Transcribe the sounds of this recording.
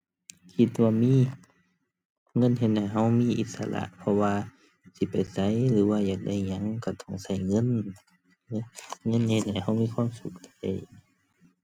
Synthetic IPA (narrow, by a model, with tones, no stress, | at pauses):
kʰi˧˩t̪̚waː˧miː˧˥˨ | ŋɤ˧˥˨nɦe˧t̪̚da˨˩jɦa˧˩wmiː˧˥˨ʔi˧˦t̪̚sa̰˧la̰˧ʔpʰɔ˧waː˧ | si˧˦pa˨jsa˧˦˨jlɯː˨˦waː˧jaː˨˩k̚da˧˩˨jɲa˧˥˨ŋka˧˩t̪ʰɔ˧˩ŋsa˧˩jŋɤ˧˥˨n˧ | ŋɤ˧˥˨nhe˧t̪̚da˨˩jha˧˩wmiː˧˨kʰwaː˧˥˨msu˧˦k̚ta̰˧˩j